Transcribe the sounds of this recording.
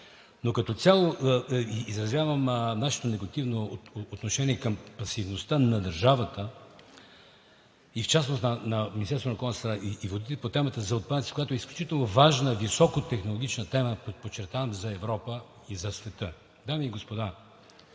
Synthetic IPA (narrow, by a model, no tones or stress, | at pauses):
nokɐt̪ɔt̪sʲalˠoʔizɾɐzvʲjavəmnaʃɛ̥t̪onɛɡot̪ivnoːt̪noʃɛniɛkəmpɐsivnost̪ənɐd̪ɐɾʒavət̪ə | ift͡ʃasnosnɐnɐmʲinʲist̪ɛɾsonɐkɔlnəsɾaʔiːvod̪it̪ɛpot̪ɛmət̪əzɐot̪̚panɐt̪si̥kojat̪oɛisklʲut͡ʃit̪ɛlˠnovaʒnəvisɔkot̪ɛxnolˠoɡʲit͡ʃnət̪ɛməpot͡ʃːɛɾt̪avɐmzɐɛvɾɔpə | izɐsvɛt̪ə | d̪amiːɡospod̪a